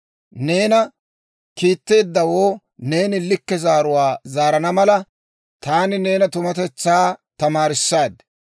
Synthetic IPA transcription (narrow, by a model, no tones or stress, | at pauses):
ne̞ːnɐ | kiːt̪ːe̞ːd̪ːɐwoː | ne̞ːnɪlɪkːɛzaːɾʊwaːzaːɾɐnɐmɐlɐ | t̪aːnɪne̞ːnɐt̪ʊmɐt̪ɛt͡sːaːt̪ɐmaːɾɪsːaːd̪